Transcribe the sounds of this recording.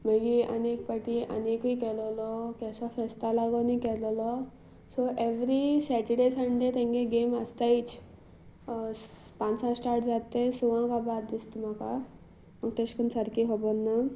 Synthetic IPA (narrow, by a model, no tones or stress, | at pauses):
məɡiə̰nek̚pəʈiʔə̰nekikɛlɔlɔkɛsɔfest̪alaɡɔnikɛlɔlɔ | soʔeʋɾisɛʈəɽesəɳɖet̪ẽŋɡeɡeməst̪ait͡s | pãnsãsʈaɾʈd͡zat̪esuʋãkabad̪d̪ist̪m̤aka | məɡt̪eɕkənsəɾkiɦobɔnːa